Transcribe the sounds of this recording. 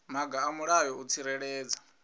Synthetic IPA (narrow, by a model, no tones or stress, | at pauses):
maɡaːmuɺajɔut͡sʰiɾɛɺɛːd͡za